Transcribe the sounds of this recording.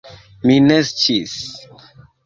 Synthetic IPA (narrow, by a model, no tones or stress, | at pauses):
minest͡ʃis